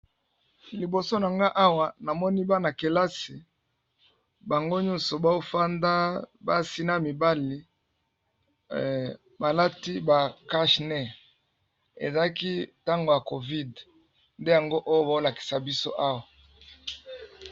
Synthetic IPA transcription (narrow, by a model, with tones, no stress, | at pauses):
li˨bo˨so˦na˨ŋɡa˦ʔa˦wa˨na˨mɔ˦ni˦ba˦na˨ke˨la˦si˨ | ba˨ŋɡo˦ɲɔ˦nso˨ba˦o˦fa˦nda˦ba˦si˦na˦mi˨ba˦li˨ | ba˨la˦ti˦ba˨ka˦ʃnɛ˦ | ḛ˨za˨a˦ki˦ta˦ŋɡo˨ja˨ko˨vi˦d | nde˦ja˨ŋɡo˦ʔo˦jo˦ba˨˦o˦la˨ki̥˨sa˨bi˦so̰˦ʔa˦wa˨